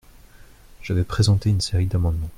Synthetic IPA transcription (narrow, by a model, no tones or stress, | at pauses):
ʒ̥avɛpχezɑ̃t̪eynseʁid̪amɑ̃d̪mɑ̃